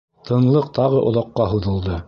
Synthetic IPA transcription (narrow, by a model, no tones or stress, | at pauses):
t̪ʰɤ̆nlˠɤqt̪ɑʁɤʔŏðɑqːɑɦɤ̆ðɤ̆lˠd̪ɤ